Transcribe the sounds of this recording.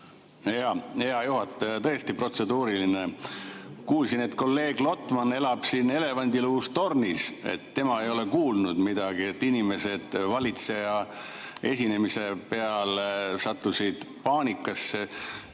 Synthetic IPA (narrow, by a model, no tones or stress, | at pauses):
ɑheɑjuɦɑt̪ːˑt̪ɤest̪ipro̞t̪se̞d̪uːɾiline | kuːlsine̞t̪ko̞lːe̞ːɡ̥lo̞t̪ːˑmɑnːe̞lɑb̥sine̞le̞vɑnʲd̪iluust̪o̞rnise̞̰t̪ːe̞mɑe̞jo̞le̞kuːlnud̪mid̪̥ɑɡ̥iet̪ːˑinime̞se̞d̪̥vɑlit̪se̞jɑ | e̞̰sʲine̞mise̞pe̞ɑlsɑt̪ˑːusid̪̥pɑːnʲikːˑɑsːe